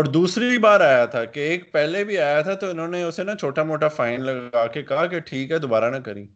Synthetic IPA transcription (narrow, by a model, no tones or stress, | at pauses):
ɔːɾd̪uːsɾibaːɾaːjat̪ʰakeːk̚pɛːlebʱiaːjat̪ʰat̪oɪnɦõːneʊsenɐt͡ʃʰoːʈamoːʈafaːɪnlɐɡaːkekɐɦakeʈʰiːkɦɛd̪obaːɾanɐkɐɾĩː